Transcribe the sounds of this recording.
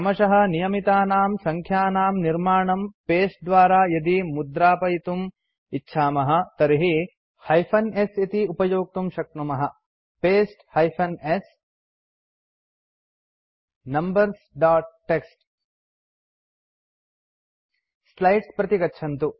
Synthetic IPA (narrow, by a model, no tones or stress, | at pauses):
ɐmɐʃɐɦɐ̆nijɐmit̪aːnaːmsɐŋkʰjaːnaːmniɾmaːɳɐmpeːsʈ̚d̪ʋaːɾaːjɐd̪imud̪ɾaːpɐjit̪um | itːʃʰaːmɐɦɐ̆t̪ɐɾiɦi | hɐjpʰɐnesit̪iupɐjoːk̚t̪umʃɐk̪̚numɐɦɐ | peːsʈhɐjpʰɐnes | nɐmbɐɾs | ɖaːʈːeksʈ | lɐjʈspɾɐt̪iɡɐtːʃʰɐnt̪u